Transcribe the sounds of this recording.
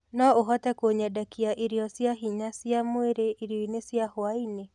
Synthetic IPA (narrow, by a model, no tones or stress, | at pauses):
nɔoɦɔtɛkoɲadakiaʔiɾjɔsjaɦiɲasjamweɾeʔiɾjɔinesjahwaine